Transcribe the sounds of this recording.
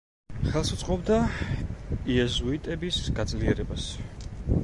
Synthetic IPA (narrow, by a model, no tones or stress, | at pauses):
χɛlˠsut̪sʼqʼɔbd̪a | iɛzuit̪ʼɛbisɡad̪zliɛɾɛbas